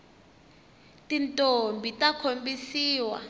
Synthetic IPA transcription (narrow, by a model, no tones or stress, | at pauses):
tʼintʼombʱitʼakʰombisiːwa̰